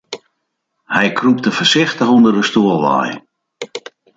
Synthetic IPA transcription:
hɛjkʰruptəfəsɪxtəundərəstuəlˠʋa̰j

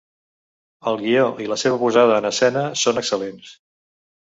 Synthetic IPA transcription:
əlˠɣioʔiləseβəpuzað̞əːnəsɛnəsonəksəlens

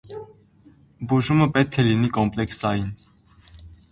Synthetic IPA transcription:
buʒuməpɛt̪̚kʰɛlinikɔmplɛksɑjin

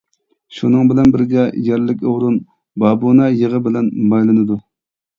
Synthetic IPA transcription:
ʃunɨŋbɪlɛnbɪɾd̪ʲɛjɛɾlɪkʲoʁɾun | bɑbunɑjəʁəbɪlɛnmɑjlˠɨnɨd̪u

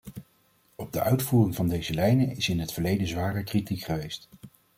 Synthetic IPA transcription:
ɔb̚dəʔœɥtfuːrɪŋvɑndejzəlɛjnəɪsɪnɦətfəɹlejdənzʋaːrəkritikχəʋejst

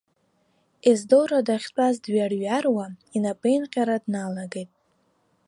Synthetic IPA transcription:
izdowɾadaχʲt͡ʃʷʼazdɥarɥarwainapʼejnqʲʼaɾadnalaɡe̞jtʼ

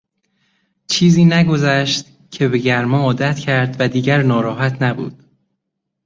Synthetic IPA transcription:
t͡ʃʰiːziːnæɡo̞zæʃt̪ | cʰe̞beɟæɾmɒːɒːd̪æt̪cʰæɾd̪væd̪iːɟæɾnɒːɾɒːɦæt̪ʰnæbṵːd̪̥

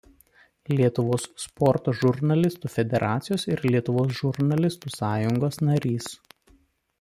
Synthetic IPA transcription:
lʲiɛt̪ʊʋoːsːpɔɾt̪oːʒʊɾnɐlʲɪst̪uːfʲɛd̪ʲɛɾʔɑːt̪sʲɪjoːsɪɾlʲiɛt̪ʊʋoːs̬ʒʊɾnɐlʲɪst̪uːsɑːjʊŋɡoːsnɐɾʲiːs

